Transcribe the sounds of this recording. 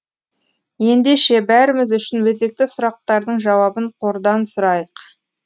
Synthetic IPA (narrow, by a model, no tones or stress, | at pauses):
je̞nd̪e̞ʃe̞bæɾɪmɪzʏʃɪnwɵze̞k̚t̪ɪsʊɾɑq̚t̪ɑɾd̪əɴʒɑwɑbəɴqʰo̞ɾd̪ɑnsʊɾɑjəq